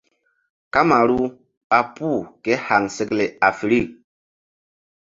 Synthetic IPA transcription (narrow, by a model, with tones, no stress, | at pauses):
ka˦ma˨ɾu˦ | ɓa˨pu˦˨ke˨˦ha˨ŋse˨kle˨a˨fi˨ɾi˦˨k̚